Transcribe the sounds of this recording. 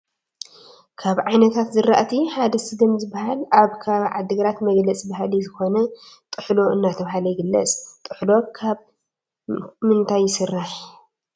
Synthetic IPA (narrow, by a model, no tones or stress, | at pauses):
kʰaβʕajnɐt̪ʰat̪zɨɾa̰ʔt̪ʰiħad̪ɐsɨd̪ɨmzɨbːahalaβkʰaβʕa̰d̪ːɨɡɾat̪mɐɡlɐt͡sʼbaɦalizɨxo̞nɐ | t̪ʼɨħlo̞ʔɨnːat̪ʰɐβhalɐjɪɡɨlːɐ̰t͡sʼt̪ʼɨħlo̞kʰaβ | mɨnt̪ʰajːɪsɨrːaħ